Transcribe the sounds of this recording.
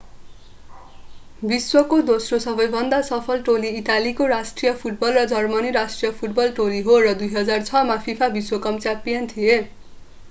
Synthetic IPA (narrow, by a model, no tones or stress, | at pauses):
biswʌkod̪osrosʌbʌjbʱʌnd̪asʌpʰʌlʈoliːʈalikorasʈrijʌpʰuʈ̚bʌlrʌd͡zʌrmʌniɾasʈrijʌpʰuʈbʌlʈoliɦorʌd̪ujɦʌd͡zart͡sʰʌmapʰipʰabiswʌkʌmt͡sapijʌnt̪ʰije